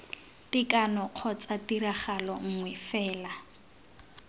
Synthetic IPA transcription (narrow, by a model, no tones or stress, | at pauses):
tikanɔq͡χʰɔt͡satiɾaχalɔŋ̩ŋwɛfɛːla